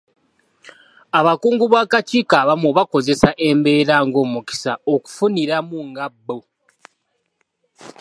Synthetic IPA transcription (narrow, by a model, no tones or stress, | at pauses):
aβakuːŋɡuβaːkat͡ʃiːkaβamuβako̞ze̞saʔe̞mbe̞ːɾaŋɡo̞muki̥sao̞ku̥funiɾamuŋɡabːo